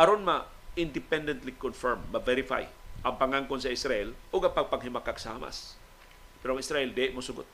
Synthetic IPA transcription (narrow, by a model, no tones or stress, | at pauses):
ʔɐɾonmɐa | ɪnd̪ɪpɛnd̪ɛnt̪likonfɛɹmmɐvɛɾɪfa̰jʔɐŋpaŋaŋkonsɐʔɪsɾɐʔɛlʔʊɡɐŋpɐɡ̚pɐŋɦɪmakaɡsa̰ma̰s | pɛɾoɐŋʔɪsɾaʔɛld̪eɪʔmosʊɡʊt̪̚